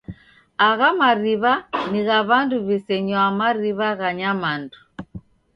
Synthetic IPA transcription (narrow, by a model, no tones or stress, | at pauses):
aɣamaɾiβaniɣaβanduβisɛɲɔamaɾiβaɣaɲamandu